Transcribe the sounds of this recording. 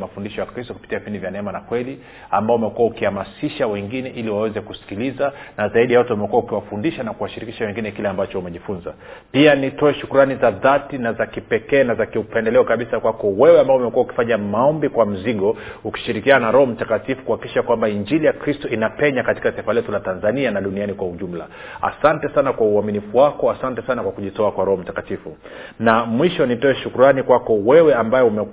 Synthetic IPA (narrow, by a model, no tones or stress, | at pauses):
mafundiʃɔjakɾistɔkupi̥tiavipindivjanɛɛmanakwɛli | ambaɔumɛkuwaukihamasiʃawɛŋɡinɛʔiliwawɛzɛkusi̥kilizanazaiɗijawatɛumɛkuwaukiwafundiʃanakuwaʃiɾikiʃawɛŋɡinɛkilɛambat͡ʃɔumɛʄifunza̰ | pianitɔɛʃukuɾanizaðatinazakipɛkɛːnazakiupɛndɛlɛɔkaɓisakwakɔwɛwɛambaɔumɛkuauki̥faɲamaɔmbikwam̩ziɠɔuki̥ʃiɾikiananaɾɔhɔm̩takatifu̥kuhakikiʃakwambaiɲd͡ʒilijakɾistɔinapɛɲakati̥kataifalɛtulatanzanianaɗunianikwauʄum̩la̰ | a̰santɛsanakwauaminifuwakɔasantɛsanakwakuʄitɔakwaɾɔhɔm̩takatifu | namwiʃɔnitɔɛʃukuɾanikwakɔwɛwɛambajɛumɛ